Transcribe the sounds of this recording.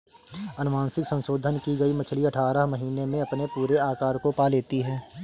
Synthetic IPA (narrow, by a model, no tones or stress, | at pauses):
ɐnʊʋãːnsɪksɐ̃nʃoːd̪ʱənkiɡɐimɐt͡ʃʰliɐʈʰaːɾəɦmɐɦiːnemẽɐpnepuːɾeaːkaːɾkopaleːt̪iɦɛː